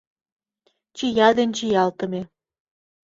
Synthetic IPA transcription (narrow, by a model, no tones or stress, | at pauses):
t͡ɕijɑd̪enʲt͡ɕijɑlt̪ə̆me